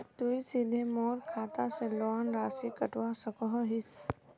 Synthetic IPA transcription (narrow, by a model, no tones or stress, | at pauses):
t̪uisid̪ʱemɔːt̪kʰaːt̪aselɔːnɾaːsikɐʈʋasɐkɔɦɦɪs